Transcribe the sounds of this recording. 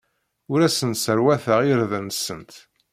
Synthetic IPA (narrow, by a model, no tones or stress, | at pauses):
ʊɾæsənt̪səɾwæθəʁiɾðənsənt̪